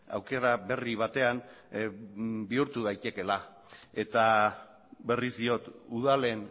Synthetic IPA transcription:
a̰wke̞ɾaβe̞riβ̞at̪e̞an | biuɾt̪uðajt̪e̞ke̞la | e̞t̪a | be̞rizd̪io̞t̪uð̞ale̞n

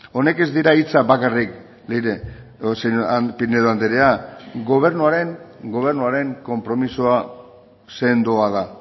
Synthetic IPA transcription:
o̞ne̞ke̞zd̪iɾait͡sabakarik | liɾesepineðoand̪eɾeaɡo̞βe̞ɾnuaɾe̞ŋɡo̞β̞e̞ɾnuaɾe̞ŋko̞mpɾo̞misoa | se̞nd̪uaða

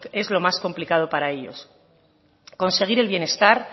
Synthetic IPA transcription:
e̞zlo̞masko̞mplikað̞o̞paɾae̞ʎo̞̰s | ko̞nse̞ɣ̞iɾe̞lβjene̞st̪aɾ

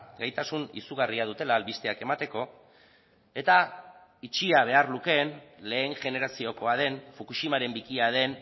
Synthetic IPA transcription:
ɡajt̪asunḭsuɣ̞ariaðut̪e̞laːlβist̪e̞ake̞mat̪e̞ko̞ | e̞t̪a | it͡ʃiaβ̞e̞arluke̞nle̞ːŋʝe̞ne̞ɾasio̞ko̞að̞e̞nfukuʃimaɾe̞mbikiaðe̞n

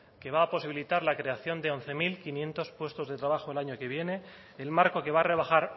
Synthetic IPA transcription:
ke̞βaːpo̞siβilit̪aɾlakɾe̞aθjo̞nd̪e̞o̞n̟θe̞milkinje̞nt̪o̞spwe̞st̪o̞zðe̞t̪ɾaβ̞axoelaɲo̞ke̞β̞je̞ne̞ | elmaɾko̞ke̞βare̞β̞axaɾ

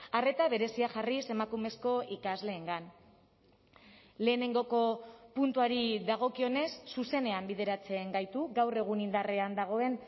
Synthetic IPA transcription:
are̞t̪aβ̞e̞ɾe̞siaʝarise̞makume̞sko̞ikazle̞ːŋɡan | le̞ːne̞ŋɡo̞ko̞punt̪uaɾiðaɣ̞o̞kio̞ne̞sːuse̞ne̞ambið̞e̞ɾat͡se̞ŋɡajt̪uɡawre̞ɣ̞unind̪areand̪aɣ̞o̞e̞n

